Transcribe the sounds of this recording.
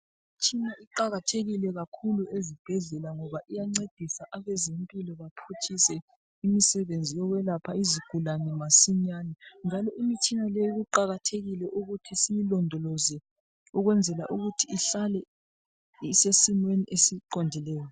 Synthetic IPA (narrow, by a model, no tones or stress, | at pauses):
imit͡ʃʰʼinaiǃaɣatʰeɣilɛɣakʰuluezib̥ʱɛɮɛlaŋɔβaʔijaŋ͡ǀed̥ʱisaʔaβɛzempʼilɔβapʰut͡ʃʰʼisɛ | imisɛβend͡zʱijɔɣwɛlapʰaiziɡ̥ʱulanɛmasiɲaːnɛnd͡ʒʱalɔʔimit͡ʃʼinalɛjiɣuǃaɣatʰeɣilɛʔuɣutʰisimilɔndʱɔlɔzɛ | uɣwɛnd͡zʱɛla̰ʔuɣutʰiːɬalɛ | isesimweniʔesiǃondʱilɛːjɔ